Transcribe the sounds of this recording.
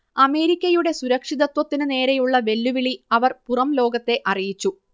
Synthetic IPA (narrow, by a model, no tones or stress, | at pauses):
ɐme̞ːɾikʲːɐjuɽe̞suɾɐkʂiðɐt̪wɐt̪ːinɨne̞ːɾejuɭːɐʋe̞lːuʋiɭiɐʋɐrpurɐmlo̞ːɡɐt̪ːe̞ʔɐrijit͡ɕːu